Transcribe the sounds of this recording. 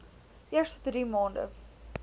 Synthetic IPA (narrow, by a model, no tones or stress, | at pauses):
ʔiəstɔdɾiːmɑːndə̰